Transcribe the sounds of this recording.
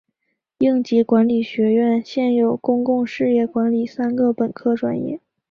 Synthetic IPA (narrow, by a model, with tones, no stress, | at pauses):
i˥˩ŋt͡ɕi˧˥kwa˧˥nli˨˩ɕɥɛ˧˥ɥɛ˥˩˧nɕjɛ˥˩njo˨˩ʊkʊ˥ŋkʊ˥˧ŋʂɻ̩˥˧jɛ˥˩kwa˧˥nli˨˩sa˥nɡə˨pə˨˩nkʰɤ˥ʈ͡ʂwa˨˩njɛ̰˥˩